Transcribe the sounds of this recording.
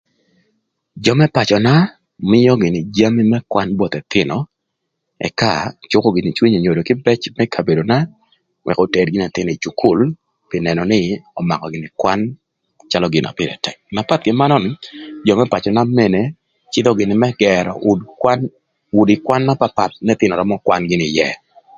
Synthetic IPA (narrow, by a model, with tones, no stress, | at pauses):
d͡ʒɔ˨mɛ˦pa˨t͡ʃɔ˨na˦ | mɪ˦jɔ˦ɡɪ˨nɪ˨d͡ʒa˦mi˦mɛ˦kwa˦nbɔ˨t̪ɛ˨t̪ɪ˦nɔ˨ | ɛ̰˨ka̰˦˨t͡ʃʊ˦kɔ˦ɡɪ˨nɪ˨t͡ʃwi˦ɲo˨ɲo˨do˨kɪ˦bɛ˦t͡ʃmɛ˦kʰa˨be˨do˨na˦ | wʔɛ̰˨kɔ˨tɛ˨d̚ɡɪ˦nɛ˨t̪ɪ˦n˨i˨t͡ʃu˨kʰʊ˦l | pɪ˨nɛ˨nɔ˨nɪ˦ɔ˨ma̰˨kɔ˨ɡɪ˨nɪ˨kwa˦n | t͡ʃa˦lɔɡɪ˨nʔa̰˨pɪ˦ɾɛ̰˨tɛ˨kna˨pa˦t̪̚ɡɪ˦ma˦nɔ˦n˨d͡ʒɔ˨mɛ˦pa˨t͡ʃɔ˨na˦mɛ˦ne˨ | t͡ʃɪ˦d̪ɔ˦ɡɪ˨nɪ˨mɛ˦ɡɛɾɔ̰˨ʊ˦dkwan | ʊ˨dɪ˨kwa˦nːa˦pa˨pa˨t̪̚nɛ˦t̪ɪ˦nɔ˨ɾɔ˦mɔ˦kwa˦nɡɪ˦nɪ˨jɛ˨